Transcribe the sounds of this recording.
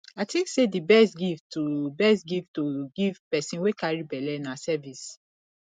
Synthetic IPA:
aɪtʰĩŋksedibɛstɡiftobɛstɡiftoɡivpɛsĩnwekaɹibɛlɛnasɛvis

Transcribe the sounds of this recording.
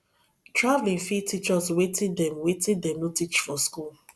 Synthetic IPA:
tɹavlĩnfitit͡ʃɔswetĩndɛ̃mwetĩndɛ̃mnotit͡ʃfɔskul

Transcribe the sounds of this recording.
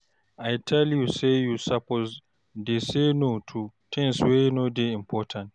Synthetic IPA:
ʔajtʰɛljusejusapoz | desenotʰutʰɛ̃nswenodeĩmpʰɔtʰãnt

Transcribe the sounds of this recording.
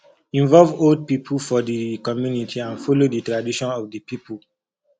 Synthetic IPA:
ĩɱvɔlvold̚pipʰəlfɔdəkɔmjunitʰiãnfolodətɹadiʃɔ̃nɔvdəpipʰul

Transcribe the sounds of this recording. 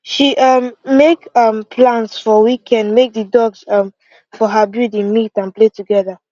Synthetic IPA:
ʃiʔʌmːekʌmpʰlãnsfɔwikʰɛ̃ndmek̚dədɔɡsʌ̃m | fɔɦəbjuɾĩnmitãnpletuɡɛða

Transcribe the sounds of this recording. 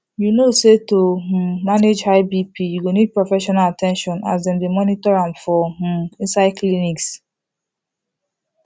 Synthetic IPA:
junosetomaned͡ʒaɪbipijuɡonid̚pɹofɛʃɔnalatɛ̃nʃɔ̃na̰sdẽmdemɔnitɔɹãmfɔm̩ĩnsaɪkliniks

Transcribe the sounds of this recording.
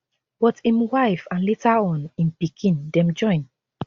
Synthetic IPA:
bɔtĩmwaɪfãnletaɔ̃nĩnpikʰĩndɛ̃md͡ʒɔ̃ɪ̃n

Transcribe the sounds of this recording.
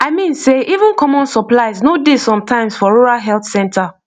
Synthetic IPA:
aɪmĩnseʔivə̃nkʰɔmɔ̃nsɔplaɪznodesɔ̃mtʰãɪ̃msfɔɹuɹalɦɛlθsɛ̃ntʰa

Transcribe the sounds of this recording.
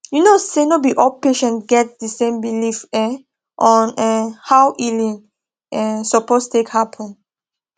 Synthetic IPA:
junosenobiʔɔpeʃɛ̃nɡɛt̚disẽmbilifɛ | ʔɔ̃nɛ̃hawʔilĩn | ɛ̃sɔpostekhapʰɔ̃n

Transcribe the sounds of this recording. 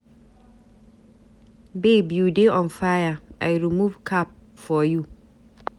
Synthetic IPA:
bebijudeʔɔ̃nfajaʔajɹimuvkʰap̚fɔju

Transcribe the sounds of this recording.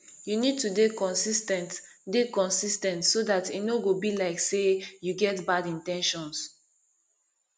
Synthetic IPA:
junid̚tudekɔ̃nsistɛ̃ntdekɔ̃nsistɛ̃ntsoðatinoɡobilaɪksejuɡɛtbadĩntɛ̃nʃɔ̃ns

